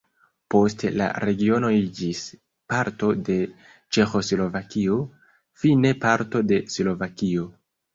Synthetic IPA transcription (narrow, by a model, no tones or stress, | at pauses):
po̞stla̰ɾe̞ɡio̞no̞id͡ʒis | paɾto̞de̞ | t͡ʃe̞xo̞slo̞vakio̞ | fine̞paɾto̞de̞slo̞vakio̞